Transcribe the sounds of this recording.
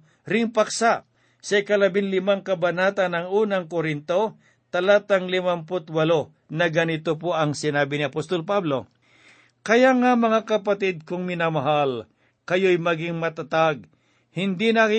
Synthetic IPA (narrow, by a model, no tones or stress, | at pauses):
ɾɪŋpɐksaʔ | sɐjkɐlɐbɪnlɪmaŋkɐbɐnaːt̪ɐnɐŋuːnɐŋkoɾɪnt̪o̞ | t̪ɐlat̪ɐŋlɪmampʊt̪wɐlo | nɐɡɐnɪt̪opoɐŋsɪnaːbɪnɪɐpost̪olpablo̞ | kɐjaŋamɐŋakɐpɐt̪ɪd̪̚kʊŋmɪnamɐɦal | kɐjojmɐɡɪŋmɐt̪ɐt̪aɡ̚ | hɪnd̪inakɪ